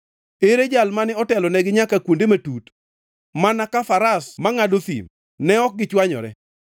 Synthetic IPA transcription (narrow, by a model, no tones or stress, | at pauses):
eɾed͡ʒalmanɪɔtɛlɔnɛɡɪɲakakwondematut | manakafaɾasmaŋadoθḭm | nɛɔk̚ɡɪt͡ʃwaɲɔ̰ɾɛ̰